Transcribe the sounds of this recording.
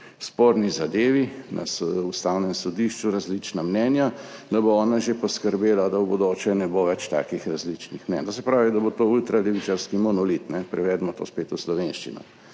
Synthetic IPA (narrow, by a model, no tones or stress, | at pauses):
spoːɾnizad̪eːʋinʔa̰sust̪aːwnɛmsɔd̪iʃt͡ʃuɾazlit͡ʃnamnɛːnjad̪aboɔːnaʒepɔskəɾbeːlad̪awbod̪oːt͡ʃɛnɛboʋɛt͡ʃt̪a̰ːkixɾazlit͡ʃnixmnɛt̪os̬ɛpɾaːʋid̪abot̪oːult̪ɾalɛʋit͡ʃaɾskimɔnɔlit̪nɛpɾɛʋɛd̪mɔt̪o̰ːspeːt̪uslɔʋeːnʃt͡ʃinɔ̰